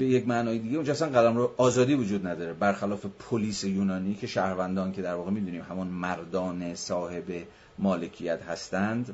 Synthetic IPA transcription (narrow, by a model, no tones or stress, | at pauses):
be̞jecmæʔnɒːjed̪iːɡeund͡ʒɒæsænɢælæmɾoʔɒːzɒːd̪iːvod͡ʒuːd̪næd̪ɒːɾebæɾxælɒːfe̞pʰoliːsejuːnɒːniːcʰe̞ʃæːhɾvænd̪ɒːnkʲʰe̞d̪æɾvɒːɣemiːd̪uːniːmhæmɔnmæɾd̪ɒːnesɒːhe̞be | mɒːle̞cʰijæt̪hæst̪ænd̪